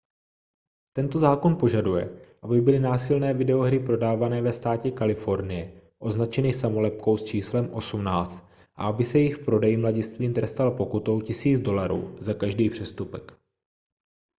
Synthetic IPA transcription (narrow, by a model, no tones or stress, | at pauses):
t̪ɛnt̪o̞zaːko̞npo̞ʒadujɛ̰ʔabɪbɪlɪnaːsɪlnɛːvɪdɛo̞ɦɾɪpɾo̞daːvanɛːvɛst̪aːcɛkalɪfo̞ɾnɪjɛʔo̞znat͡ʃɛnɪsamo̞lɛp̚ko̞wst͡ʃiːslɛmʔo̞sumnaːt͡st̪̚ | ʔa̰abɪsɛjɛɪxpɾo̞dɛjɪmlaɟɪst̪viːmt̪ɾɛst̪alpo̞kut̪o̞wcɪsiːd͡zdo̞laɾṵːzakaʒdiːpr̝̥ɛst̪upɛk